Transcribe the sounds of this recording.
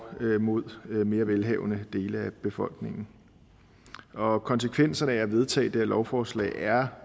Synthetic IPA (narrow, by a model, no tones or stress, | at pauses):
mo̝ð̞̰ˠme̝ːɐʋelɦɛʊnəd̥e̝ːləæb̥e̝fɒ̽l̰ɡ̥ne̝ŋn̩ | ɒ̽kʰɒ̽nsəkʰʋen̰sɐnəææʋe̝ð̞ˠt͡sʰɛ̰ːd̥eɐlɒʊfɒːslɛ̰ɪæɐ